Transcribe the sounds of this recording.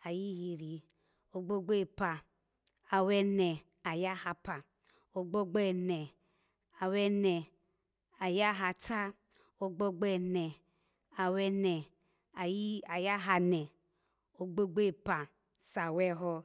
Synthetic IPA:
a˨ji˦ɦi˧ɾi˨ | o˦ɡ͡bo˦ɡ͡be˦˨pa˨ | a˨wɛ˦nɛ˨ | a˨ja˦ha˧pa˨ | o˦ɡ͡bo˦ɡ͡bɛ˦nɛ˨ | a˨wɛ˦nɛ˨ | a˨ja˦ɦa˨ta˦ | o˦ɡ͡bo˦ɡ͡bɛ˦˨nɛ˨ | a˨wɛ˦nɛ˨ | a˨ji˦a˨ja˦ɦa˧nɛ˨ | o˦ɡ͡bo˦ɡ͡be˦˨pa˨ | sa˨wɛ˦ɦɔ˦˧

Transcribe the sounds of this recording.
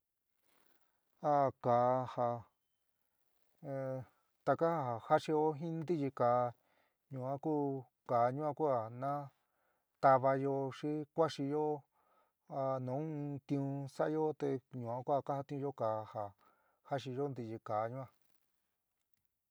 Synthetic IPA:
a˧kaː˨ha˧ | t̪a˧ka˦ha˧ha˨ha˦ʂi˧jo˦ɦĩ˦nd̪i˦ji˧kaː˨˧ | ɲũ˨ã˦ku˦ | kaː˨˧ɲũ˦ã˧ku˦a˧nã˦ | t̪a˧βa˧jo˧ʂi˦kʷa˦ʂi˧jo˦ | a˧nũ˨˦˧t̪ĩ˧ũ˧sa˦˧jo˦t̪e˧ɲũ˨ã˧˦ku˦a˧ka˦ha˧t̪ĩ˦˧ũ˧jo˦ka˨ha˨ | ha˦ʂi˧jo˦nd̪i˧ji˧kaː˨˧ɲũ˦ã˧

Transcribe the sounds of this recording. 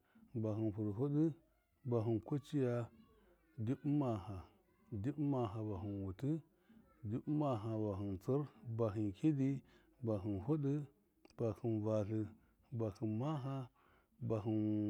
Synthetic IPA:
ba˨ɦɨ˨npu˨ɾɦu˦ɗɨ˦ | ba˨ɦɨ˨nko˦t͡ʃi˦ja˦ | di˦bma˨ɦa˨ | di˦bma˨ɦa˨ba˨ɦɨ˨nwu˨tɨ˦ | di˦bma˨ɦa˨ba˨ɦɨ˨nt͡sə˦ɾba˨ɦɨ˨nkʲi˦di˦ | ba˨ɦɨ˨nɦu˦ɗɨ˦ | b̥a˨hɨ˨nva˨ɬɨ˨ | ba˨hɨ˨nma˦ɦa˦ | ba˨ɦɨ˨n

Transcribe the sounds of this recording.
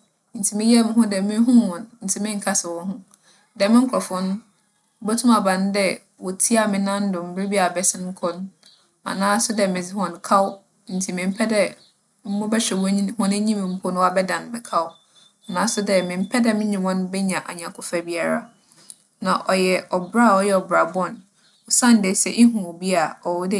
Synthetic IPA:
n̩˨tʰi˨mɪ̃˦jɛ˦mʊ̃˨˦ɦʊ̃˦dɛ˨mɪ̃˦ɦũ˦hɔ̃˨nn̩˨tʰi˨mɪ̃˦ŋ̩˨kʰa˦sɪ˨wɔ̃˦ɦʊ̃˦ | dɛ˨mɪ̃˦ŋ̩˦kʰɔ˨fʊ̃˦ñ̩˦ | bo˦tʰũ˦ma˨bã˨n˦dɛ˦ | wɔ˨tʰi˦a˨mɪ̃˨nã˦n̩˦dʊ˨m̩˨bɪ˦ɾi˦bi˦a˨bɛ˦sɪ˦ŋ̩˦kʰɔ˦n | ã̰˨nãː˦sʊ˦dɛ˨mɪ̃˨d͡zɪ˦hɔ̃˨n˨kʰa˦w | n̩˨tʰi˨mɪ̃˨m̩˦pʰɛ˦dɛ˦ | m̩˦mʊ̃˦bɛ˦ɕᶣɛ˨wɔ˦hɔ̃˨nɛ˦ɲĩ˦mɪ̃˨m̩˦pʰʊ˦nʊ̃˦a˦˨bɛ˦dã˨n˨mɪ̃˨kʰa˦w | a˨nãː˨˦sʊ˦dɛ˦mɪ̃˨m̩˦pʰɛ˦dɛ˦mɪ̃˦ɲĩ˨wɔ̃˦n˦bɛ˦ɲã˨ʔa̰˨ɲã˨kʰʊ˨fa˨bi˦a˨ɾa̰˦ | nã˨ʔɔ˨jɛ˨ɔ˨bɾa˦˨ɔ˦jɛ˦˨ɔ˨bɾa˨bɔ̃˦˨n | ɔ˨sã˦n˨de˨˦sɛ̰˨ʔɪ˦ɦũ˨bi˦a˨ɔ˨wɔ˦dɛ˦˨

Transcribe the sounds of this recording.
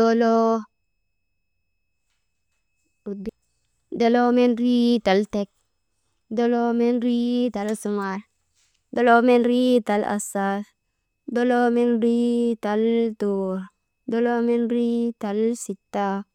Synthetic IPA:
do˦lo˦˨ | do˦lo˦me˦nɾi˦ta˨lte˨k̚ | do˦lo˦me˦nɾi˦ta˨lsu˨ma˨ɾ | do˦lo˦me˦nɾi˦ta˨la̰˨sa˦s | do˦lo˦me˦nɾi˦ta˨lto˨ɾ | do˦lo˦me˦nɾi˦ta˨lsi˨tːa˦

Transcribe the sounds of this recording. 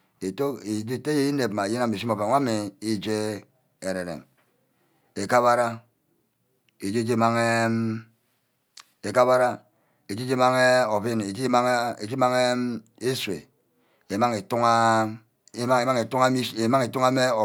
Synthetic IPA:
e˨to˦e˨d͡ʒi˦te˦je˦i˦ne˨pma˨e˨je˦na˨mi˨s̬i˦mo˨ve˨˦a˦me˨i˦d͡ʒe˦ | e˨ɾe˨ɾḛ˨m | e˨ka˦βa˦ɾa˦ | e˨d͡ʒe˦d͡ʒe˦ma˦ŋe˦ | e˨ka˦ba˦ɾa˦ | e˨d͡ʒe˦d͡ʒe˦ma˦ŋe˦o˨vi˦ne˨i˦a˦e˨d͡ʒi˦ma˦ŋe˦ | e˦sḛ˨ | e˨ma˦ŋe˨tu˦ŋa˦ | a˦e˨ma˦ŋe˨tu˦a˦mi˦e˨ma˦ŋe˨tu˦ŋa˦me˦o˨

